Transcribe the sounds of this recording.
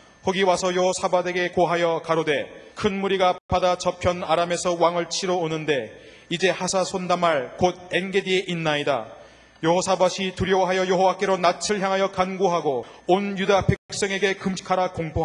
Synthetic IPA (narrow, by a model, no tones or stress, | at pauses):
hoɡiwasʰʌjʌɦosʰabade̞ɡe̞koɦajʌkaɾode̞kʰɯnmuɾiɡapadat͡ɕʌpʰjʌnaɾamesʰʌwaŋɯɭt͡ɕʰiɾoːnɯnde̞ | id͡ʑe̞hasʰasʰondamaɭkod̚enɡe̞die̞ʔinːaida̰ | jʌɦosʰabaɕʰituɾjʌwaɦajʌjʌɦowak͈e̞ɾonat͡ɕʰɯɭçjaŋɦajʌkanɡoɦaɡoonjudapʰek̚k̚s͈ʌŋe̞ɡe̞kɯmɕʰi̥kʰaɾakoŋpʰoa